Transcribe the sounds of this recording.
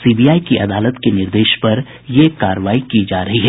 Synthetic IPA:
siːbijaːikiʔɐd̪aːlət̪kenɪɾd̪eːʃpɐɾ | jekaːɾəʋaːikid͡ʒaːɾɐɦiɦɛː

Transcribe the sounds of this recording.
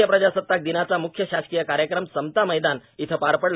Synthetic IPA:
jəpɾəd͡ʑasət̪ːak̚d̪inat͡samukʰjəɕaskijəkaɾjəkɾəmsəmt̪aməjd̪anit̪ʰəpaɾpəɽl

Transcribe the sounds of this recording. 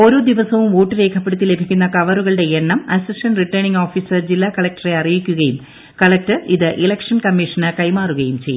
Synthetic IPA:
o̞ːɾo̞ːd̪iʋɐsɐʋumʋo̞ːʈːɨɾe̞ːkʰɐpːe̞ɽut̪ːile̞bʱikʲːunːɐkɐʋɐruɣɐɭɨɽe̞jeɳːɐmɐsisʈɐnriʈːɐɳiŋɡoːfiːsɨd͡ʑilːaːkɐɭɐk̚ʈɐreɐrijikʲːuɣɐjum | kɐɭɐk̚ʈɨiðɨʔilɐkʂɐnkɐmːiʂɐnɨkɐjmaːruɣɐjumt͡ɕejː

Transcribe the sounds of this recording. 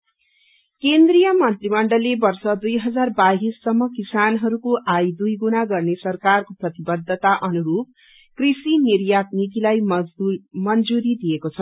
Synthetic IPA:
kend̪rijʌmʌnt̪rimʌɳɖʌlːebʌrsʌd̪ujɦʌd͡zarbaɦisːʌmːʌkisanɦʌɾukoʔajd̪ujɡunaɡʌrnesʌrkarkoprʌt̪ibʌd̪ʱːʌt̪aʔʌnuɾup̚ | krisinirjat̪̚nit̪ilaj | mʌnd͡zuɾid̪ijekot͡sʰʌ

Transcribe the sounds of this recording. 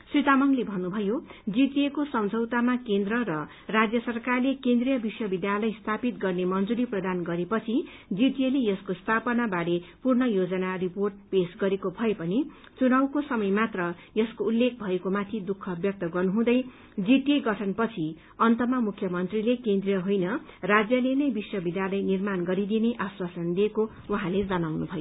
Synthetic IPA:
srit̪amʌŋlebʱʌnːubʱʌjod͡ziʈiekosʌmd͡zʱʌwt̪amakend̪rʌrʌ | rad͡zjʌsʌrkarlekend̪rijʌbiswʌbid̪jalʌjst̪ʰapit̪̚ɡʌrnemʌnd͡zuɾiprʌd̪anɡʌɾepʌt͡sʰi | d͡ziʈielejʌskost̪ʰapʌnabaɾepurnʌjod͡zʌnariporʈ̚pesɡʌɾekobʱʌepʌni | t͡sunawkosʌmʌjmat̪rʌ | jʌskoulːek̚bʱʌekomat̪ʰid̪ukʰːʌbjʌk̚t̪ʌɡʌrnuɦũd̪ʌj | d͡ziʈeɡʌʈʰʌnpʌt͡sʰi | ʌnt̪ʌmʌmukʰjʌmʌnt̪rilekend̪rijʌɦojnʌ | rad͡zjʌlenʌjbiswʌbid̪jalʌjnirmanɡʌɾid̪ineʔaswasʌnd̪ieko | waɦãled͡zʌnawnubʱʌjo

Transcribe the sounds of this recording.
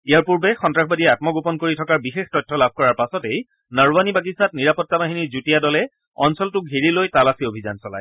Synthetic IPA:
ijaɹpuɹbɛxɔntɹaxbadiɛat̚mɔɡopɔnkoɹitʰɔkaɹbixextɔjtʰːɔlab̚ʱkɔɹaɹpasɔtej | naɹbanibak̬isat̚niɹapɔtːabaɦiniɹzutijadɔlɛ | ɔ̰nsɔltʊɡʱiɹilojtalasiobʱiza̰nsɔla̰j

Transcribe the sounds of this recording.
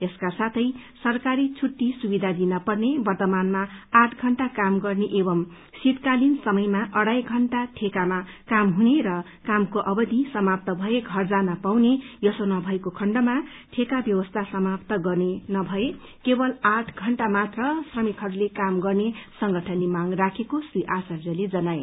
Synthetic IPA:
eskasat̪ʰʌjsʌrkaɾit͡sʰuʈːisubid̪ʱad̪inʌpʌrnebʌrt̪ʌmanmaaʈʰɡʱʌɳʈakamɡʌrneʔebʌm | sit̪kalinsʌmʌjmaʔʌɽajɡʱʌɳʈaʈʰekama | kamɦuneɾʌ | kamkoʔʌbʌd̪ʱisʌmap̚t̪ʌbʱʌeɡʱʌrd͡zanapawnejʌsonʌbʱʌekokʰʌɳɖʌma | ʈʰekabjʌwʌst̪ʰasʌmapt̪ʌɡʌrnenʌbʱʌe | kebʌlaʈʰɡʱʌɳʈamat̪rʌsrʌmikɦʌɾulekamɡʌrnesʌŋɡʌʈʰʌnimaŋrakʰekosiʔasʌrd͡zʌled͡zʌnae

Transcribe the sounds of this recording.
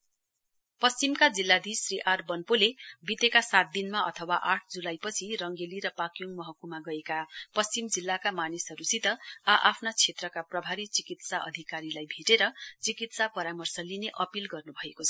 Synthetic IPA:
pʌst͡simkad͡zilːad̪ʱisriʔarbʌnpolebit̪ekasat̪̚d̪inmaʌ̰t̪ʰʌwaʔaʈʰd͡zulajpʌt͡sʰirʌŋɡeliɾʌpakjoŋmʌɦʌkumaɡʌekapʌst͡simd͡zilːakamanisɦʌɾusit̪ʌaʔapʰnat͡sʰet̪rʌkaprʌbʱaɾit͡sikit̪saʔʌ̰d̪ʱikaɾilajbʱeʈeɾʌt͡sikit̪sapʌɾamʌrsʌlineʔʌpilɡʌrnubʱʌekot͡sʰʌ

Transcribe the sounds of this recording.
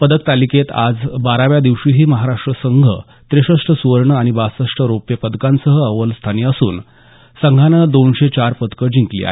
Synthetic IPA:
pəd̪ək̚t̪aliket̪a̰d͡zbaɾaʋjad̪iʋɕiːɦiːməɦaɾaʂʈɾəsəŋɡʱə̰ | t̪ɾeɕəʂʈəsuʋəɾɳəaɽ̃ibasəʂʈəɾopjəpəd̪kãnsəɦəəʋəlst̪ʰaniːəsṵːn | səŋɡʱanəd̪onɕet͡ɕaɾpəd̪kəd͡ʑĩŋklḭa̰ɦ

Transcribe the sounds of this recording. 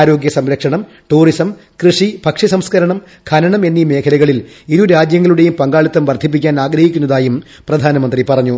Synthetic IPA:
ɾo̞ːɡjɐsɐmɾɐkʂɐɳɐm | ʈuːrisɐm | krɨʂipɐkʂɐsɐmskɐɾɐɳɐm | kʰɐnɐɳɐme̞nːime̞ːkʰɐlɐɣɐɭil | iɾuɾaːd͡ʑjɐŋːɐluɽe̞jumpɐŋɡaːɭit̪ːɐmʋɐrd̪ʱip̬ːikʲːaːnaːɡɾɐhikʲːunːɐðaːjum | prɐd̪ʱaːnɐmɐnd̪ripɐrɐɲːu

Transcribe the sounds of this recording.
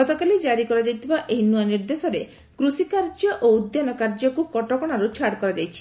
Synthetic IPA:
ɔt̪okalid͡ʒaɾikɔɾad͡ʒajt̪ʰibaʔejnuaniɾd̪esɔɾe | kɾusikaɾd͡ʒɔʔoud̪janɔkaɾd͡ʒɔkukɔʈɔkɔɽ̃aɾut͡ʃʰaɽkɔɾad͡ʒajt͡ʃʰi̥

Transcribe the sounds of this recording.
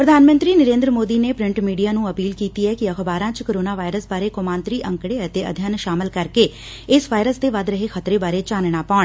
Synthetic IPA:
pɾəd̪ʱaːnmə̃nt̪ɾiːnəɾẽːnd̪ɾəmoːd̪iːneːpɾɪ̃ɳʈmiːɖijaːnũːəpiːlkiːt̪iːɛːkɪəxbaːɾãːt͡ʃkoːɾoːnaːʋaːɪɾəsbaːɾeːkomaːnt̪ɾiːʔə̃ŋkɽeːət̪eːə̰d̪ʱjənʃaːmɪlkəɾkeː | ɪsʋaːɪɾəsd̪eːʋəd̪ɾəɦeːxʰət̪ɾeːbaːɾeːt͡ʃaːnɳ̃aːpaːɳ

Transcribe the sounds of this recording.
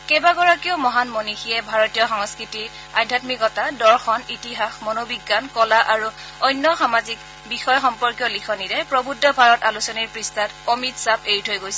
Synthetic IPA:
kɛbaɡɔɹakiomɔɦanmonixiɛbʱaɹɔtijɔxɔŋskɹitiɹ | adʱatmikɔtadɔɹxɔnitiɦaxmɔnobiɡːankɔlaʔaɹu | ɔjnːɔxamazik | bixɔjxɔmpɔɹkjɔlikʰɔniɹɛpɹɔbudʱːɔbʱaɹɔtalusɔniɹpɹistatomitsabeɹitʰojɡojsɛ

